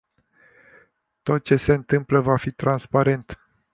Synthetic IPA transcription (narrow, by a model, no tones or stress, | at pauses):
t̪o̞t̪̚t͡ʃe̞se̞ɨnt̪ɨmpləvafit̪ɾanspaɾe̞nt̪